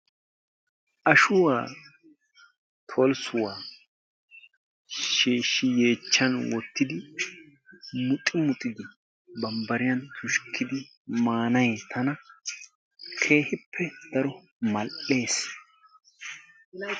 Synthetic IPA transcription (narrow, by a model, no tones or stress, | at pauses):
ʔɐʃʊwaː | t̪ʰɔlsʊwaː | ʃeːʃɪje̞ːt͡ʃːɐnwɔt̪ːɪd̪ɪ | mʊt̪ʼɪmʊt̪ʼɪd̪ɪ | bɐmbɐɾɪjɐnt̪ʰʊʃkʰːɪd̪ɪ | maːnɐjt̪ʰɐnɐ | kʰe̞ːhɪpʰːɛd̪̥ɐɾɔ | mɐlʔe̞ːs